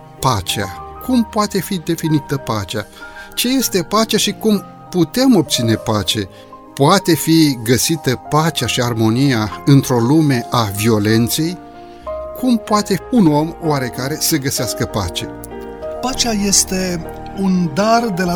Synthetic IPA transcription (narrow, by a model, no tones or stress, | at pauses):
pat͡ʃea̰kʰumpoat̪e̞fid̪e̞finit̪əpat͡ʃat͡ʃe̞je̞st̪e̞pat͡ʃaʃikum | put̪e̞mo̞p̚t̪sine̞pat͡ʃe̞ | poat̪e̞fiɡəsit̪əpat͡ʃaʃiarmo̞nijaɨnt̪ɾo̞lume̞ʔavio̞le̞nt̪se̞j | kʰumpoat̪e̞uno̞moaɾe̞kaɾe̞səɡəseaskəpa̰t͡ʃe̞̰ | pat͡ʃaje̞st̪e̞ | und̪ard̪e̞la